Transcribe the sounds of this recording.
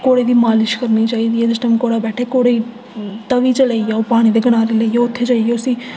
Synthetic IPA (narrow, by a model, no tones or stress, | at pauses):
koːɽeːd̪iːmaːlɪʃkəɾniːt͡ʃaːiːd̪iːeːsɪsʈəmkoːɽaːbɛːʈʰeːkoːɽei | t̪əʋiːt͡ʃələijaopaːɽ̃iːd̪eːɡəɽ̃ãːɾeːləijeʊt̪ʰːeːd͡ʒaːiesĩː